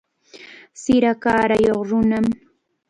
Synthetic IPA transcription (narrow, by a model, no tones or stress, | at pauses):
sɪɾakaːɾajoχɾʊnam